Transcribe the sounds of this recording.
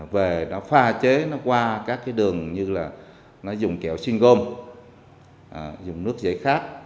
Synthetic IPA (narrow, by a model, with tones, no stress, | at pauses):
ve˨˩nɔ˨˦faː˧t͡ɕe˨˦nɔ˨˦kwaː˧kaː˦˥kːaː˨˦jɗɨ˨˩əŋɲɨ˧laː˨˩ | nɔ˨˦zʊ˨˩ŋ͡mkɛ̰˧˩wsi˧ŋɣo˧m | ʔə˨˩zʊ˨˩ŋ͡mnɨ˦˥ək̚zə̰˧˥˩jxaː˦˥k̚